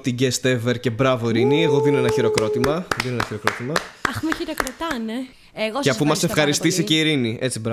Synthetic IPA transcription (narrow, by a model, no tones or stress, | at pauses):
t̪iɟest̪eveɾce̞bɾɐvo̞iɾinieɣo̞ðinoenɐçiɾo̞kɾo̞t̪imɐðinoenɐçiɾo̞kɾot̪imɐɐxmeçiɾokɾot̪ɐne | eɣoceɐfumɐsefxɐɾist̪isiceiɾiniʔe̞t͡sibɾɐ